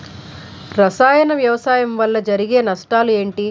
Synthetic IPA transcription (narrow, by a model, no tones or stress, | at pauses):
ɾɐsaːjɐnɐʋjɐʋɐsaːjɐmʋɐlːɐd͡ʒɐɾiɡe̞ːnɐsʈaːlue̞ːɳʈi